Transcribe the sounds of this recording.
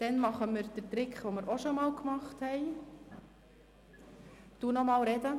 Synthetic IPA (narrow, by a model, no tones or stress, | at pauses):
d̥ɛnmɑχəməɾd̥ətɾɪkχʋoːməɾʔoʃomɑːlˠkmɑχthɛɪ | tunɔmɑːlɾɛdə